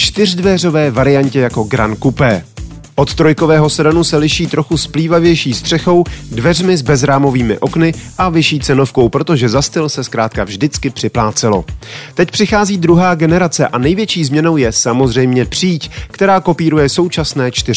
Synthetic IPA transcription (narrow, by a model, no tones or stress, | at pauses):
t͡ʃt̪ɪr̝dvɛro̞vɛːvaɾɪjaɲcɛjako̞ɡɾa̰nkupɛː | ʔo̞t̪t̪ɾo̞jko̞vɛːɦo̞sɛɾanusɛlɪʃiːt̪ɾo̞xuspliːvavjɛjʃiːst̪r̥ɛxo̞wdvɛr̝mɪzbɛzɾaːmo̞viːmɪ̰ʔo̞knɪʔavɪʃiːt͡sɛno̞fko̞wpɾo̞t̪o̞ʒɛzast̪ɪlsɛskɾaːt̪kavʒdɪt͡skɪpr̥ɪplaːt͡sɛlo̞̰t̪ɛcpr̥ɪxaːziːd̪ɾuɦaːɡɛnɛɾat͡sɛʔanɛjvjɛt͡ʃiːzmɲɛno̞wjɛsamo̞zr̝ɛjmɲɛpr̥iːckt̪ɛɾaːko̞piːɾujɛso̞wt͡ʃasnɛːt͡ʃt̪ɪrɪ